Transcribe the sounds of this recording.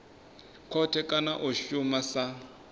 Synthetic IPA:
kʰɔtʰɛkʼanaʔʊʃumasa

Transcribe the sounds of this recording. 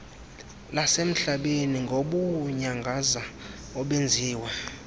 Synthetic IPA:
lasem̩ɬaɓeniŋɡʱoɓuɲaŋɡʱaza | ɔɓend͡zʱiːwa

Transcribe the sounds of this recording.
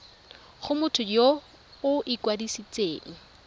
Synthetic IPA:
χʊmʊtʰʊjo | ʊʔɪkwadisit͡sʼeːŋ̩

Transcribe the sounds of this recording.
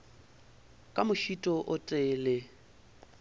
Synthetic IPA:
kʼamʊʃitʼɔʔʊtʼɛːlɪ

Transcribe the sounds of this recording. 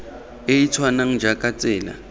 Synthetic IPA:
ɪit͡sʰwanaŋ̩d͡ʒakʼat͡sʼɪːla̰

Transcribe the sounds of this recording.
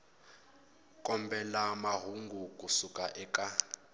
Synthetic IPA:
kʼɔmbʱɛlamaɦuŋɡukʼusukʼaʔɛːkʼa

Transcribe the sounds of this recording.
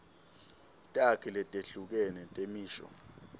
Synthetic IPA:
tʼakʰilɛtʼeɬuk̬ɛnɛtʼemiːʃɔ̰

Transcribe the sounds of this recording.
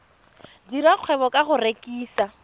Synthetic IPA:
diɾaq͡χʰwɛβɔkʼaχʊrekʼiːsa

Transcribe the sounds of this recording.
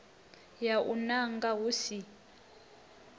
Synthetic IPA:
jaʔṵnaŋɡaɦusi

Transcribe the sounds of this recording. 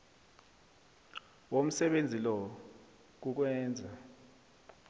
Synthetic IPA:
wom̩sɛɓend͡zʱilɔ | k̬uk̬wɛːnd͡zʱa

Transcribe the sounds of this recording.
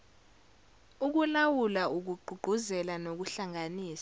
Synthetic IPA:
uk̬ulawulauk̬uɡ͡ǃʱuɡ͡ǃ̥ʱuzɛlanok̬uɬaŋaniːsḁ

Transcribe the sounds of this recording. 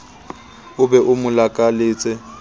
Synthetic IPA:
ʊbɛʔʊmʊlakʼalɪːt͡sʼɪ

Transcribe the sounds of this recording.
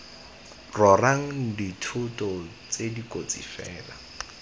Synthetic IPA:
rɔraŋ̩ditʰuʊtʼɔ | t͡sedikʼot͡sʼḭfɛːla

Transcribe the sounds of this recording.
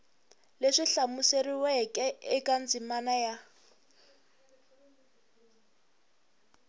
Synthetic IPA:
leʂiɬamuseriwɛkʼɛɪkʼand͡zimanaja

